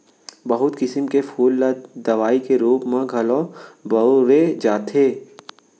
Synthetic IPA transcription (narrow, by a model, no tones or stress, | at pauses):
bɐɦʊt̪kɪsəmkefʰuːlːad̪ɐʋaːikeɾuːpmãɡʱɐlɔ̃ːbɐɾed͡ʒaːt̪ɦeː